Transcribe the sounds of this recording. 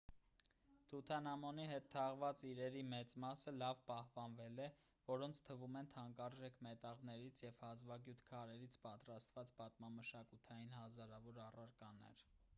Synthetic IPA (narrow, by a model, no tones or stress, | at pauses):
t̪ʰut̪ʰɑnɑmɔniɦɛt̪ʰːɑʁvɑt͡siɾɛɾimɛt͡smɑsəlɑvpɑhpɑnvɛlɛ | vɔɾɔnt͡sʰt̪ʰəvumɛnt̪ʰɑŋkɑɾʒɛkʰmɛt̪ɑʁnɛɾit͡sʰjɛvhɑzvɑɡjut̪ʰkʰɑɾɛɾit͡sʰpɑt̪ɾɑst̪vɑt͡sbɑt̪mɑməʃɑkut̪ʰɑjinɦɑzɑɾɑvɔɾɑrɑɾkɑnɛ̰ɾ